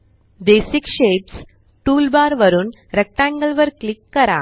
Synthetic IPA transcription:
d̪eːsikʂeːps | ʈuːlbaːɾʋɐɾun | ɾɛk̚ʈaːŋɡɐlʋɐɾklɪkːɐɾa̰ː

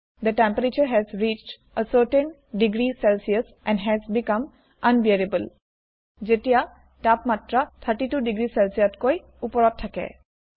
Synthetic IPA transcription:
d̪əʈɛ̃mpəɹet͡ʃəɹɦɛzɹit͡ʃʈ | əsəʈə̃n | ɖiɡɹisɛlsiəs | ʔɛ̃nɖɦɛzbikʌ̃m | ãnbiɹibəl | zetija | ʈapmatɹat̪ʰəʈiʈuɖiɡɹisɛlsijatkoj | upɔɹɔtʰːakɛ̰

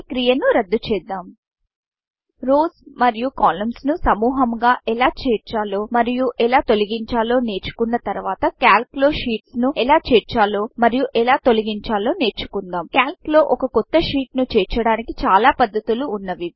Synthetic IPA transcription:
kɾijɐnuɾɐd̪ːut͡ʃɛːd̪ːaːm | ɾoːsmɐɾijukaːlɐmsnusɐmuːɦɐmɡaːʔɛlaːt͡ʃɛːɾt͡ʃaːlo̞ːmɐɾijuʔɛlaːt̪o̞lɐɡiɲt͡ʃaːlo̞ːne̞ːɾt͡ʃu̥kunːɐt̪ɐɾuʋaːt̪ɐkaːlklo̞ːʃiːʈsnuɛlaːt͡ʃɛːɾt͡ʃaːloːmɐɾijuʔɛlaːt̪olɐɡiɲt͡ʃaːlo̞ːne̞ːɾt͡ʃu̥kund̪aːmkjaːlklo̞ːʔɔkɐkɔt̪ːɐʃiːʈnut͡ʃɛːɾt͡ʃɐɽaːnikit͡ʃaːlaːpɐd̪ːɐt̪uluːnːɐʋi

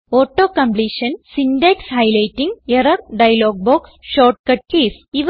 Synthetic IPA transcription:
oːʈːoːkɐ̃mpliːʃɐnsinɖekshɐɪlɐɪʈːĩŋɡeɾɐɾɖɐjɐloːɡ̚boːksʃoːʈ̚kɐʈ̚keːs | iʋ

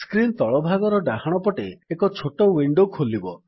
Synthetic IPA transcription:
skɾint̪ɔɭɔbʱaɡɔɾɔɖaɦaɽ̃ɔpɔʈeekɔt͡ʃʰoʈowiɳɖokʰolibɔ

